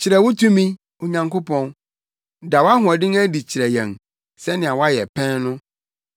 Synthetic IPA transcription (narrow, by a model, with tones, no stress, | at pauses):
t͡ɕʰɪ˨ɾɛ˨wʊ˦tʰũ˦mĩ˦ | o˨ɲã˨ŋko˦pʰɔ̃˦n | da˨wa˦ɦʊ̃˨ɛ˨dɪ̃˦ŋæ˦di˨t͡ɕʰɪ˨ɾɛ˨jɛ̰̃˨n | sɛ˦nɪ̃˨a˨wɔ˦a˦jɛ̰˨pʰɛ̃˦nnʊ̃˦